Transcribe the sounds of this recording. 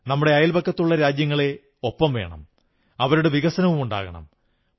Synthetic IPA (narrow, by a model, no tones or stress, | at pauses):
nɐmːuɽeɐjɐlbɐkːɐt̪ːuɭːɐɾaːd͡ʑjɐŋːɐɭe̞ | o̞pːɐmʋe̞̰ːɳɐ̰m | ɐʋɐɾuɽeʋiɣɐsɐnɐʋumuɳɖa̰ːɣɐɳɐ̰m